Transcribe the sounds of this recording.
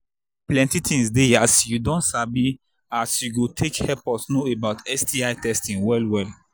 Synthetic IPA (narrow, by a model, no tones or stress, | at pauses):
plɛ̃ntitʰĩŋsdeasjudɔ̃nsabi | asjuɡotʰekhɛpɔtnoebaʊtɛsdiaɪtɛstĩwɛlwɛl